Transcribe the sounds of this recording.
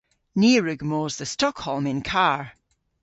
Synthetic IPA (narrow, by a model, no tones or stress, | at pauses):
niɹʉɡmoːzðəstɔkhɔlˠmɪ̃nkʰaɹ